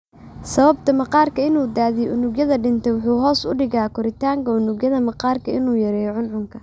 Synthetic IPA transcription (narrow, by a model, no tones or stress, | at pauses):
sɐβɐb̚t̪ʰɐmɐqɑːrkʰɐɪnuːd̪aːðɪjʔʊnʊɡjɐðɐɖɪnt̪ʰɛwʊħuːɦɔːsʊ̰ɖɪɣaːkʰɔɾɪt̪ʰaːŋkʰɐʊnʊɡjɐðɐmɐqɑːrkʰɐɪnuːjɐɾɛjʕʊnʕʊŋkʰɐ